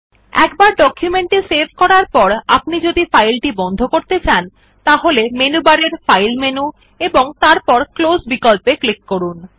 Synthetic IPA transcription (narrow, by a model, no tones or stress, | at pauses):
ɛ̰kbaɾɖɔkʰjumeɳʈisebʱkɔɾaɾpɔɾapnid͡ʑod̪ifajlʈibɔnd̪ʱokoɾt̪et͡ɕan | t̪aɦolemenubaɾeɾfajlmenu | eboŋt̪aɾpɔɾklosbikolpeklikːoɾun